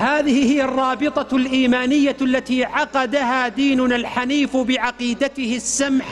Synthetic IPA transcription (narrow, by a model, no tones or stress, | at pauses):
haːðɪhɪhɪjarˤːɑːbɨt̪ˤɑlʔiːmaːnɪjːalːat̪iːʕɑqɑd̪ahaːd̪iːnʊnalħaniːfbɪʕɑqiːd̪at̪ɪhɪsːamħa